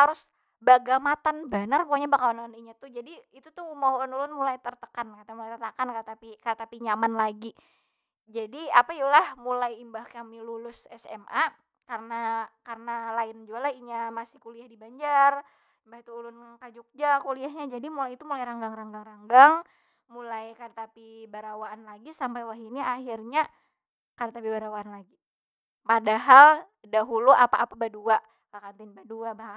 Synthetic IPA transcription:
haɾʊs | baɡamat̪anbənarpukaɲabakawanaaniɲat̪ʊhd͡ʒadiːt̪ut̪ʊhmawnulʊnmulajt̪ərt̪ə̥kankat̪amulajt̪ərt̪akankat̪apikat̪apiɲamanlaɡi | d͡ʒadiapajulahmulajimbahkaŋmilulʊsɛ̰sɛ̰mʔa | karənakarənalaɪnd͡ʒualahiɲamasɪ̥hkuliahdibaɲd͡ʒar | imbahit̪uːlʊnkad͡ʒʊk̚d͡ʒakuliaɦɲad͡ʒadimulajit̪umulajɾaŋɡaŋraŋɡaŋraŋɡaŋ | mulajkaɾt̪apibaɾawaːnlaɡisampajwaɦiniahirɲa | kaɾat̪apibaɾawaanlaɡi | padaɦal | daɦuluʔapaʔapabadua | kakant̪ɪnbaduabaha

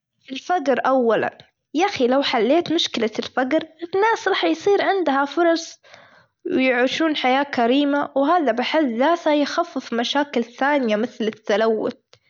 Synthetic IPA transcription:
ɪlfaɡɾʔawːala̰n | jaxilawħalːeːt̪mʊʃkɪlalfaɡɾɪnːaːsɾˤɑːħjsˤiːɾʕɪnd̪hafʊɾˤɑsˤ | wɪjʕuːʃuːnħajaːkaɾiːmawɦaːðabɪħɪðːaːt̪hajxafːɪfmaʃaːkɪlθaːnɪjamɪθlɪt̪ːalawːʊ̰t̪̚

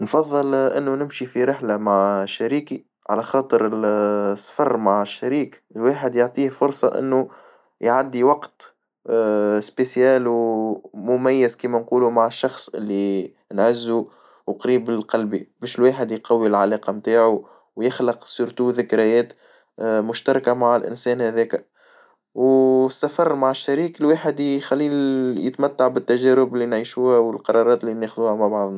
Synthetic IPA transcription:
nfɑðˤːɨlʔɪnːunɪmʃifiɾɪħlamaʕʃːæɾiːki | ʕa̰læxɑːt̪ˤəɾɪsˤːfɑrˤːmaʕəʃːæɾiːklwaːħəd̪joʕt̪ˤiːhfʊɾsˤɑʔɪ̰nːu | jʕad̪ːiwɑqt̪ | spesjæːlwmʊmæjːɪzkiːmænquːlumaʕɪʃːɑxsˤʔɪ̰lːi | nʕɪzːu | wqɾiːbɪlqɑlbibɛːʃɪlwaːħɪd̪jqɑwːilʕalæːqɑmt̪aːʕu | wjɪxləqsuɾt̪uðɪkɾæjɛːt̪ | mʊʃt̪ɑɾˤɑkamaʕɪlʔɪ̰nsɛːnhæðɛːkæ | wsːæfɑrˤːmaʕɪʃːæɾiːkɪlwaːħɪd̪xælːiːnjə̰t̪mæt̪ːaʕbɪt̪ːæʒæːɾʊbɪlːinʕiːʃuːhæwɪlqɑɾˤɑɾˤɑːt̪lːineːxðuːhæmaʕbɑʕðˤn

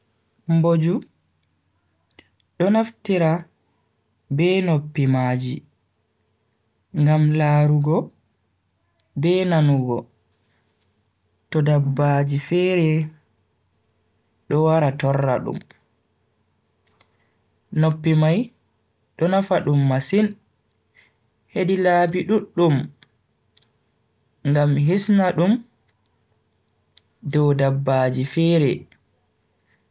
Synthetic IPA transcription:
mbod͡ʒu | ɗɔnaftiɾa | bɛnopːimaːd͡ʒi | ŋɡamlaːɾuɡɔ | bɛːnanuɡɔ | tɔdabːad͡ʒifɛːɾɛ | ɗɔwaɾatɔrːa̰ɗṵm | nopːimaj | ɗɔnafaɗumːasin | hedilaːbiɗuɗːum | ŋɡamɦisnaɗum | dɔwdabːaːd͡ʒifɛːɾɛ

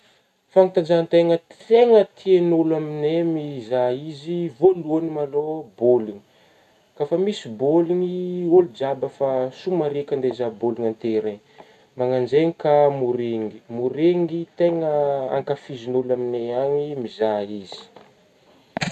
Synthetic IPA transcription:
faŋit̪and͡ʒant̪eŋəeŋət̪ʰienolaminemizaizivoluanimaloboliŋi̥ | kafamisiboliŋiolud͡ʒabəfasumaɾekʲand̪ezaboliŋant̪eɾen | maŋand͡ʒeŋikamuɾeŋimuɾeŋit̪eŋəa̰ŋkafizinolamineaŋimizaizi̥

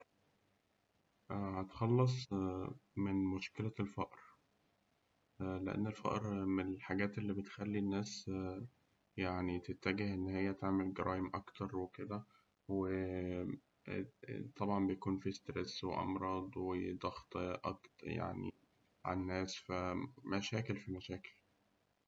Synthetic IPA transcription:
ʔhæt̪xɑlːɑs̬ˤ | menmoʃkelælfɑʔɾ | leʔḛnːelfæ̰ʔɾmenelħaɡæːt̪ʔelːiːbet̪xælːinːæːs | jaʕnit̪et̪ːæɡehʔenːhejːæt̪eʕmelɡeɾʔɑːʔemʔɑkt̪ɑɾˤweked̪æ | we | t̪ˤɑbʕɑmbejækuːnfist̪ɾeswḛʔɑ̰mɾˤɑːd̪ˤwed̪ɑxt̪ˤʔɑ̰kt̪ja̰ʕnḭ | ʕa̰nːæːsfæmæʃæːkelfimæʃæːke̥l

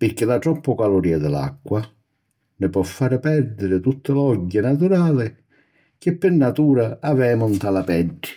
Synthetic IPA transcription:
pɪɾk̟ːɪlaʈɾɔpːʊkalʊɾiːad̪ɪla̰kːwa | nɪpɔfːaːɾɪpɛɾd̪ɪɾɪt̪ut̪ːɪlɔɟːɪnat̪uɾaːlɪ | k̟ɪpːɪrnat̪uːɾaavɛːmʊnt̪alapɛɖːɪ̥

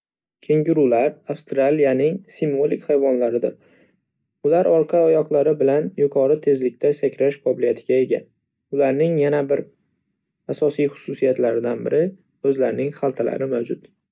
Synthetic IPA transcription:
kʲʰe̞ŋɡʲɪɾulaɾafst̪ɾalijanɪŋsimvo̞likʲhajvɒnlaɾɪd̪ɪɾ | ʊlaɾɒɾqʰɑɒjɒqlˠaɾɪbɪlanjʊkʰɒɾɪt̪ʰe̞zlɪk̚ʲt̪ʰasakʲɾaʃqɒbɪlijat̪ʰɪɡʲae̞ɡʲa̰ | ʊlaɾnɪŋjanabɪɾ | asɒsijχʊ̥susijat̪laɾɪd̪anbɪɾʔɪ | ɵzlaɾnɪŋχalˠt̪ʰala̰ɾɪmawd͡ʒʊt̪

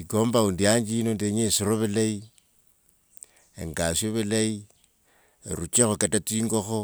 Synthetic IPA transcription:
ikoːmbaundiaɲd͡ʒiinondeɲesiɾoβilai | ḛŋɡasoβilai | ɾut͡ʃexokatat͡siːŋɡoxo

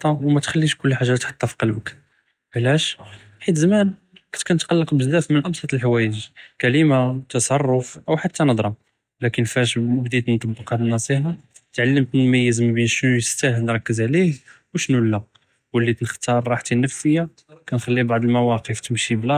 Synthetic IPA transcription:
t̪ˤːɑwmæt̪xælːiʃkʊlːħaʒːat̪ħɑ̥t̪ˤːɑfi̥qɑlbək | ʕlæʃ | ħit̪zæmæn | kæt̪kunt̪qɑlːəqbəzd̪æfmənʔɑbsˤɑt̪əlħwæjəʒkælimat̪ɑsˤɑrˤːʊfʔəwħat̪ːænəd̪ˤɾˤɑ | lækənfæʃmʊbd̪id̪nt̪ˤɑbːəqhæd̪nɑsˤiħɑ | t̪ʕalːəmt̪mmæjːəzmbinʃnujəst̪æhlnɾˤɑkːəzʕlih | wʃnulːæ | wəlːit̪nəxt̪ɑɾˤɾˤɑħt̪inəfːəja | kænxælːibaʕd̪əlmæwɑqəft̪əmʃiblæ

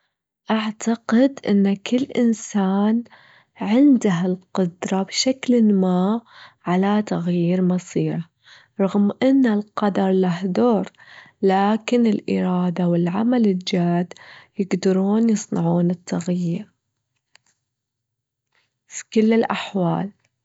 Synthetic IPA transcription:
ʔaʕt̪aqɪd̪ʔɪ̰nːkɪlːʔɪnsaːn | ʕɪnd̪aɦalqʊd̪ɾˤɑbʃaklɪmaːʕalat̪aɣjiːɾmɑsˤiːɾa | ɾˤɑɣmʔɪnːalqɑd̪ɑɾˤlaɦd̪oːɾˤ | laːkɪnɪlʔɪ̰ɾˤɑːd̪awɪlʕamalɪld͡ʒaːd̪jɪɡd̪ɑɾˤuːnjɨsˤnɑʕuːnɪt̪ːaɣjiːɾ | fi̥kɪlːɪlʔaħwa̰ːl

